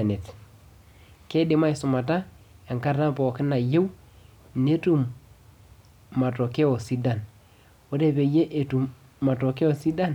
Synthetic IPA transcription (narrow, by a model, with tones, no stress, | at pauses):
ne˨t | ke˦dɪ˨˦ma˦i˨sʊ˨ma˨ta˦ | e˨ŋka˦ɾta˦pɔ˨kɪ˦na˨je˦w | ne˦tu˨m | a˨tɔ˨ke˦ɔ˨si˦da˨n | wo˦ɾe˦pe˨je˦ʔe˨tu˨mː | a˨tɔ˨ke˦ɔ˨si˦da˦n